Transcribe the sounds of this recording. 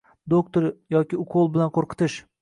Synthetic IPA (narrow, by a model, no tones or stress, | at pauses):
d̪okt̪oɾjɒkʲɪʊqʰolˠbɪlanqʰoɾqʰɨ̥t̪ɪʃ